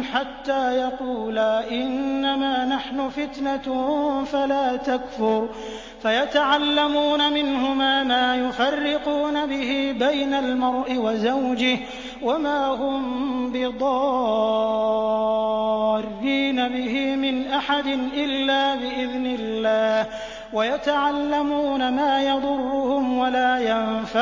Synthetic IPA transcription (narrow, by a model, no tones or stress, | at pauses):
ħat̪ːaːjɑquːlaʔɪnːamaːnaħnʊfɪt̪na | falaːt̪akfʊɾ | fajat̪aʕalːamuːnamɪnhʊmaːmaːjʊfarːɪquːnabɪɦiːbajnalmɑɾˤʔɪwazawd͡ʒɪh | wamaːɦʊmbɪd̪ˤɑ | rːiːnabɪhɪmɪnʔaħad̪ɪnʔɪlːaːbɪʔɪðnɪlːaːh | wajat̪aʕalːamuːnamaːjɑd̪ˤʊrːʊhʊmwalaːjanfa